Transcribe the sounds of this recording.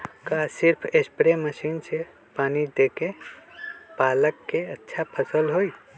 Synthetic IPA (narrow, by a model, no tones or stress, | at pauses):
kasiɾpʰespɾeməsiːnse | paːnid̪eke | paləkːeətːʃʰapʰəsəlɦoi